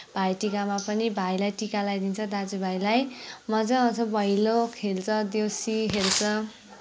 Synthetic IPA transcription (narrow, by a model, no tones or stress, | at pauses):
b̥ʱajʈikamapʌnibʱajlajʈikalajd̪int͡sʰʌd̪ad͡zubʱajlajmʌd͡zʌʌnt͡sʰʌbʌilokʰelt͡sʰʌd̪jowsikelt͡sʰʌ